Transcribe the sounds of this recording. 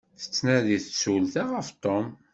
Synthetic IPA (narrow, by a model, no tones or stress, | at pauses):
θə̥t͡sːnæðiθət͡sːulθaʁəft̪ˤom